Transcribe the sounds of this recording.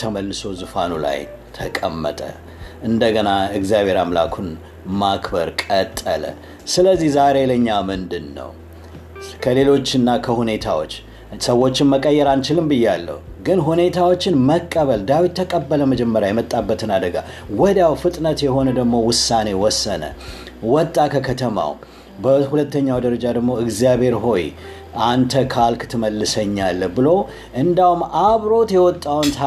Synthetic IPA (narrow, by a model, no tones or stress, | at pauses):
t̪ʰəməlːɨso̞zɨfanula̰j | t̪ʰəkʼə̰mːə̰t̪ʼə̰ | ʔɨnd̪əɡənaɪɡzjaβhe̞ɾamla̰kʰun | makʰbəɾkʼət̪ʼːə̰lə̰ | sɨləzːihzaɾe̞ləɨɲːamɨnd̪ɨnːə̰w | kʰəle̞lo̞t͡ʃːɨnːakʰəhune̞t̪ʰawo̞̰t͡ʃː | səwːo̞t͡ʃːɪnməkʼəjːɛɾant͡ʃɪlɨmbɨjːɛalːə̰huɡɨnɦune̞t̪ʰawo̞t͡ʃːɪnməkʼːəβəld̪awit̪̚t̪ːʰəkʼəbːələməd͡ʒɛmːəɾjajɛmət̪ʼːabːət̪ʰɨnad̪əɡa̰wɔd̪jawfɨt̪ʼnət̪jɛɦo̞nəd̪əɡmo̞wʊsːane̞wɔsːə̰nə̰ | wɔt̪ʼːakʰəkʰət̪ʰəma̰w | bəhulət̪ːəɲːawd̪əɾəd͡ʒad̪əɡmo̞ɨɡzijabhe̞ɾɦo̞j | ant̪ʰəkʰalkt̪ʰɨməlːɨsəɲːalːbɨlo̞ | ʔɨnd̪ahumaβɾo̞t̪jɛwɔt̪ʼːawnt̪